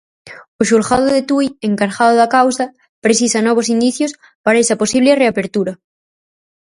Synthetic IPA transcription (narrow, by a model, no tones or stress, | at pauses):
oʃulxaðoðet̪ujeŋkaɾʝaðoðakawsa | pɾesisanɔβ̞osind̪iθjos | paɾaesaposiβ̞lereapeɾt̪uɾa